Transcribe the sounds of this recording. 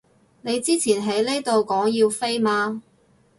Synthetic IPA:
ne˨˧jt͡siː˥t͡sʰiː˨˩nɦe˨˥jle˥jt̪o˨wkɔː˨˥ŋjiː˧wfe˥jmaː˧

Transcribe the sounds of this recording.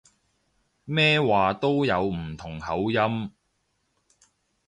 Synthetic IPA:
mɛː˥waː˨˩t̪o˥wjɐ˨˧wm̩˨˩t̪ʰʊ˨˩ŋhɐ˨˥wjɐ˥m

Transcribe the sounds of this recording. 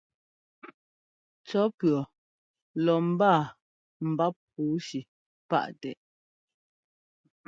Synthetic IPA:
t͡sɔ˨˦pɥɰɔ˨ | lɔ˨m̩˨baː˦˨ | m̩˨ba˦p̚ː | uː˨˦ʃi˨ | pa̰˦˨ʔtɛ˨ʔ

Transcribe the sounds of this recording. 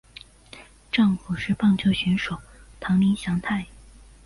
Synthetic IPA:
ʈ͡ʂɑ˥˩ŋfu˨˩ʂɻ̩˥˧pɑ˥˧ŋt͡ɕjo˥˩ʊɕy˧˥nʂo˨˩ʊt̪ʰɑ˧˥ŋmi˧˥nɕjɑ˧˥ŋt̪ʰa˥˩ɪ

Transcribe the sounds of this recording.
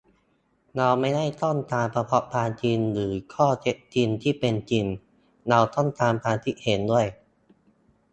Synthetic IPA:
na˧wma˥˩jda˥˩jt̪ɔ˥˩nt̪aː˧mpɾa˧pʰɔ˦˥ʔpʰaː˧nt͡ɕi˧nɾɯː˩˦kʰɔː˥˩t͡ɕe˦˥ʔ̚t͡ɕi˧nt̪ʰiː˥˩pe˧nt͡ɕi˧n | na˧wt̪ɔ˥˩nt̪aː˧mpʰaː˧nt̪ʰi˦˥ʔhe˩˦ndu˥˩əj

